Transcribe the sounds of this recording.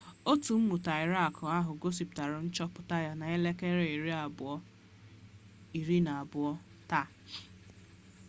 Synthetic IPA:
o˦tu˨m̩˦mu˨ta˨ɪ˨ɾa˦˨kʰʊ˨a˦ɦʊ˨ɡo˦si˨pta˨ɾʊ˨n̩˦t͡ʃɔ˦pʊ˨ta˦ja˦na˨e˦le˦ke˦ɾe˦i˨ɾi˦a˨bʊ˨ɔ˦ | i˨ɾi˦na˨a˨bʊ˨ɔ˦ | ta˦˨

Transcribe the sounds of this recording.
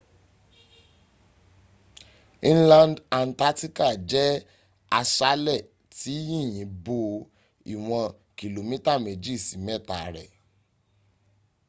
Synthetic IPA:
ĩ˦lã˦nda˨n̩˨ta˦ti˦ka˦˨d͡ʒɛ˦ | a˧ʃa˦lɛ˦˨ | ti˨˦jĩ˦˨j̃ĩ˨˦bo˦˧˨ | i˨w̃ɔ̃˧ | ki˨lo˨mĩ˦ta˦˨me˨d͡ʒi˦˨si˨˦mɛ˦˨ta˨ɾɛ˨

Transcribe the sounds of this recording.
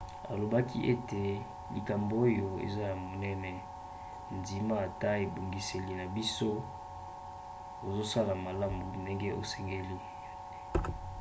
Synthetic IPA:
a̰˨lo˨ba˦ki˦ʔe˦te˨ | lḭ˨ka˨mbo˨˦o˦jo˨ḛ˨za˦ja˨mo˨nɛ˦nɛ˨ | ndi˨ma˦a˨ta˦e˨bo˨ŋɡi˨se˨li˨na˨bi˦so˦ | o˨zo˦sa˦la˨ma˨la˦mbu˨nde˦ŋɡe˦ʔo̰˨sɛ˦ŋɡe˦li˦ | ja˨de˦

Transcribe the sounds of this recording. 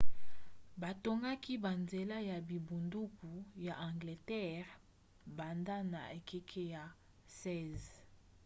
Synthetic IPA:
ba˨to˦ŋɡa˦ki˦ba˨nze˨la˦ja˨bi˨bu˨ndu˦ku˨ja˨ʔã˨ŋɡle˨tɛ˦˨ʁ | ba˨nda˦na̰˨e˨ke˦kʰe˦ja˨ | sɛ˦z

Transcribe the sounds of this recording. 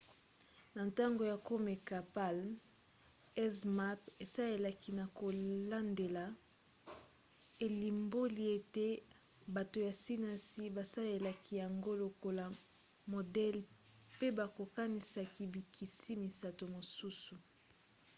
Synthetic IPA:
na˨nta˦ŋɡo˨ja˨ko˦me˨ka˨pa˦l | ɛ˦sma˦pe˨sa˦e˨la˨ki˨na˨ko˨la˦nde˨la˨ | e˨li˨mbo˦li˨˦e˨te˦ | ba˨to˨ja˨si˦na˨si˦ba˨sa˦le˨la˨ki˨ja˨ŋɡo˦lo˨ko˨la˨ | mo˨dɛ˦l | pe˦ba˨ko˨ka˦ni˨sa˨ki˨bi˨kʰi˨si˦mi˨sa˨to˨mo˨su˦su˨

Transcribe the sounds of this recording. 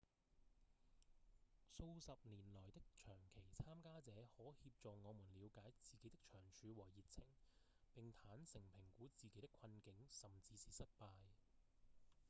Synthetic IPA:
so˧wsɐ˨p̚niː˨˩nlɔː˨˩jt̪ɪ˥k̚t͡ʃʰœː˨˩ŋkʰe˨˩jt͡sʰaː˥mkaː˥t͡sɛː˨˧˥hɔː˨˥hiː˧p̚t͡sɔː˨ŋɔː˨˧muː˨˩nliː˨˧wkaː˨˥jt͡siː˨ke˨˥jt̪ɪ˥k̚t͡ʃʰœː˨˩ŋt͡ʃʰyː˨˧wɔː˨˩ji˨t̚t͡sʰɪ˨˩ŋ | pɪ˨ŋt̪ʰaː˨˥nsɪ˨˩ŋpʰɪ˨˩ŋkuː˨˥t͡siː˨ke˨˥jt̪ɪ˥kʰɐ˧nkɪ˨˥ŋsɐ˨mt͡siː˨˧siː˨sɐ˥t̚paː˧j

